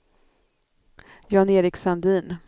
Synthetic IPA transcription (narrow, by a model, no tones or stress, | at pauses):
jɑːneːɾɪksand̪iːn